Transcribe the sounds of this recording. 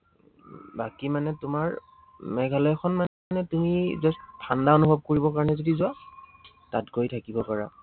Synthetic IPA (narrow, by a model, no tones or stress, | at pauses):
bakimanɛtumaɹ | mɛɡʱalɔjkʰɔnma | nɛtumizɔstʰandaonubʱɔb̚koɹibɔkaɹɔnɛzodizʊwa | tatɡojtʰakibɔpaɹa̰